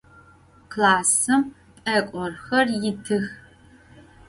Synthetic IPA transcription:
kʰlaːsɨm | pʼɐkʷʼɔrxɐrjɪtʰɨx

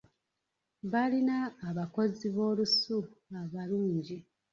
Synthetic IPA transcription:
βalinaːβako̞ziβo̞ːlusuaβaluːɲɟi

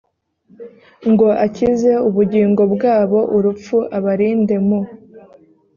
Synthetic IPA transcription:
ŋɡo̞ʔacize̞uβuɟiːŋɡo̞bɡaːβo̞ʔuɾup͡fuʔaβaɾiːnde̞mo

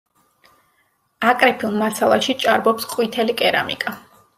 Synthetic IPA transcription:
akʼɾɛpʰiunmasalˠaʃit͡ʃʼaɾbɔpsqʼwit̪ʰɛlikʼɛɾa̰mḭkʼa

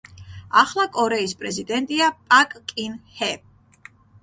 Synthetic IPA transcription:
aχlˠakʼɔɾɛispʼɾɛzid̪ɛnt̪ʼiapʼakʼkʼinhɛ

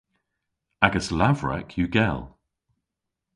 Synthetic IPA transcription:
aɡəslavɹɛ̰kʰjəɡɛlˠ

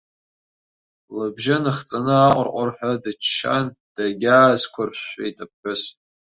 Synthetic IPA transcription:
labʒɪnɨχt͡sʼanɨaqʷʼʊ̰rqʷʼarħʷᶣadɨt͡ʃʰʃa̰nd̥aɡʲaːzkʷʰarɕejtʼapħɨs

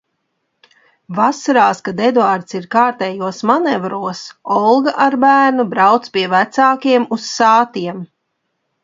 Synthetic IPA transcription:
vasaɾaːskad̪ed̪uaːɾt̪siɾkaːɾt̪ɛːjuɔsmanɛvɾuɔsɔlˠɡaʔaɾbæːɾnubɾawt̪spʲiɛvæt̪saːkiɛmusːaːt̪iɛm

